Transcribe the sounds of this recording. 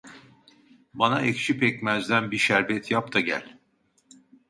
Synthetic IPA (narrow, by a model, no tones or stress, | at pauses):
banaʔɛct͡ʃʰipɛc̚mæzd̪ænbiʃæɾbɛt̪ʰjap̚t̪ʰaɟæ̰lʲ